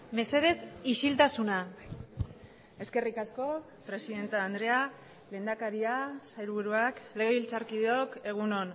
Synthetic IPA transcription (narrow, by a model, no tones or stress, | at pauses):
me̞se̞ðe̞siʃilt̪asuna | e̞ske̞rikasko̞ | pɾe̞siðe̞nt̪aːnd̪ɾe̞a | le̞ːnd̪akaɾiasajɾβuɾuakle̞ɣe̞βilt͡saɾkiðeo̞ke̞ɣ̞uno̞n